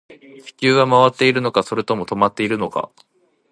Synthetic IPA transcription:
ɕi̥kʲɨːɡamaβat̪ːe̞iɾɯ̟no̞kaso̞ɾɯ̟t̪o̞mo̞t̪o̞mat̪ːe̞iɾɯ̟no̞ka̰

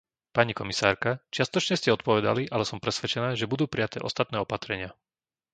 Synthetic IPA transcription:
paɲikɔmisaːɾkat͡ʃɪast̪ɔt͡ʃɲɛscɛɔt̪̚pɔʋɛd̪a̰liʔalɛsɔmpɾɛsʋɛt͡ʃɛnaːʒɛbud̪uːpɾijat̪ɛːʔɔst̪at̪̚nɛːɔpat̪ɾɛɲɪa

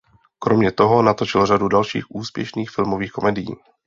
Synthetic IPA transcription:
kɾo̞mɲɛt̪o̞ɦo̞nat̪o̞t͡ʃɪlr̝adudalʃḭːxʔuːspjɛ̰ʃniːxfɪlmo̞viːxko̞mɛdɪjḭː

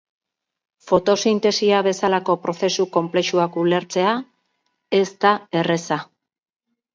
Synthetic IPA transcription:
fo̞t̪o̞sint̪e̞siaβe̞salako̞pɾo̞θe̞suko̞mple̞ʃuakule̞ɾt͡se̞a | e̞st̪ae̞re̞sa

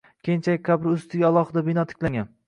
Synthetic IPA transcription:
kʲʰejnt͡ʃʰaɪkʲkʲʰabɾɪʊst̪ɪɡʲaalˠɒhɨd̪abɪnɒt̪ʰɪ̥kʲlaŋʲan

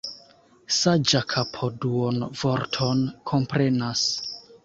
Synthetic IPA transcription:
sad͡ʒakʰapʰoduonvoɾtʰonkʰo̞mpɾe̞nas

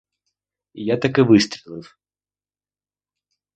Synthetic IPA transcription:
ijat̪ɐkɪʋɨst̪ʲɾʲilˠɪw

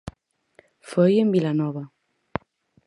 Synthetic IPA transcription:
fojembilanɔβa

